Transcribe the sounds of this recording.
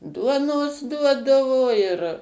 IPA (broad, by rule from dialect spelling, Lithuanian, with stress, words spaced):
ˈduɔnoːs ˈduɔdɐʋoː ɪr